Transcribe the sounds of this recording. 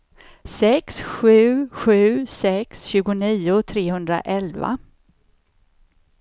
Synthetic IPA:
sɛksɧʉ̟ːɧʉ̟ːsɛksɕʉ̟ːɡʊniːʊt̪ʰɾeːhɵnd̪ɾa̰ʔɛlva̰

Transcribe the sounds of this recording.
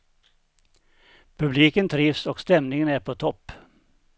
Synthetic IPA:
pʰʉbliːkənt̪ʰɾɪʋsoːɡst̪ɛmnɪŋənæːɾpʰoːt̪ʰɔp

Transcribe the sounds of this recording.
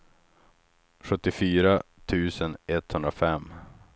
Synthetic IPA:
ɧɵt̪ːɪfyːɾat̪ʰʉ̟ːsənɛt̪hɵnd̪ɾafɛmː

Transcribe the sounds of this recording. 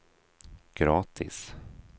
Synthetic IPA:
ɡ̥ɾɑːt̪ʰɪ̰s

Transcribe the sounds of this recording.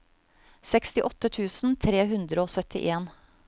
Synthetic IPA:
sɛkst̪ɪʔɔt̪ːət̪ʰʉːsn̩t̪ʰɾeːɦʉnd̪ɾəoːsœt̪ʰɪ̰ʔeːn

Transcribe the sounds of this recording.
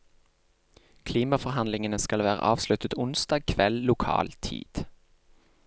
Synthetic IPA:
kʰliːmɑfɔʁɦɑnlɪŋənəskɑlʋæːʁə̰ʔɑːʋslʉt̪ət̪ʊnsd̪ɑːɡ̚kʰʋɛllʊkʰɑ̰ːlt̪ʰḭːd̪̥

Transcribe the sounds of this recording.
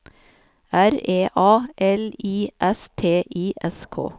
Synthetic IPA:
æɾeːʔɑːʔɛliːʔɛst̪ʰeːʔiːʔɛskʰo̰ː

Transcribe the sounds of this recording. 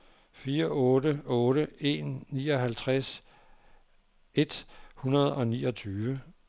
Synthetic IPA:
fiːɐʔɔ̽ːɾəɔ̽ːɾ̥əe̝nːiːɒ̽ɦælt͡sʰʁas | e̝d̥hunɐð̞ˠɒ̽nḭːɒ̽t͡sʰyːʋə

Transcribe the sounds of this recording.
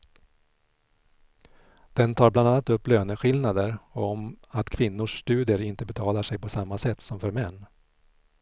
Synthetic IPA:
d̪̥ɛnt̪ʰɑːɾbland̪anːat̪ɵpːløːnəɧɪlnad̪əɾɔmat̪kʰvɪnːʊʂst̪ʉ̟ːd̪ɪəɾɪnt̪əbɛt̪ʰɑːlaʂɛjpʰɔsamːasɛt̪ːsɔmfœɾmɛnː

